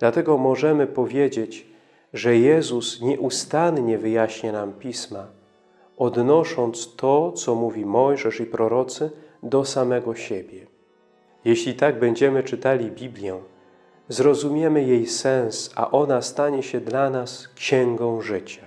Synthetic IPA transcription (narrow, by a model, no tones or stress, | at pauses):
d̪̥lat̪ɛɡɔmɔʐɛmɘpɔvʲjed͡ʑed͡ʑ | ʐɛjɛzusɲɛʔust̪anɲɛvɘjaɕɲanampʲisma | ɔd̪nɔʂɔnt̪st̪ɔt̪sɔmuvʲimɔjʐɛʂipɾɔɾɔt̪sɘd̪ɔsamɛɡɔɕebʲjɛ | jeɕlʲit̪aɡ̚bɛɲd͡ʑɛmɘt͡ʂɘt̪alʲibʲiblʲjɛ | zɾɔzumʲjɛmɘjejsɛ̃ñsa̰ʔɔnast̪aɲɛɕɛd̪lanaskɕɛŋɡɔ̃w̃ʐɘt͡ɕḁ